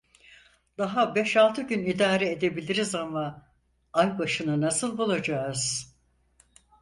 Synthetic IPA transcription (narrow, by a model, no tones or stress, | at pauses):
d̪̥aɦabɛʃalˠt̪ʰɯɟynid̪aːɾɛed̪e̞bilʲiɾizama | ajbaʃɯnɯnasɯlˠbulˠad͡ʒaːɯz̥